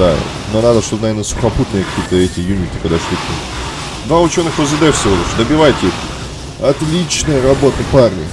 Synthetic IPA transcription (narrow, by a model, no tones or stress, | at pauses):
d̪a̰ | nonad̪əʂt̪ot̪nɐve̞rnəsʊ̥xɐput̪nɨjəkɐ̥kʲijət̪əɛtʲɪjumʲɪkʲɪkɐɡd̪aʂlʲit̪ʲim | d̪vaʊt͡ɕo̞nːɨxvəzɨd̪ɛfsʲovɐɾuʂd̪əbʲɪvajtʲɪɛt̪ʲɪ | ɐt̪lʲit͡ɕnəjəɾɐbo̞t̪əparnʲɪə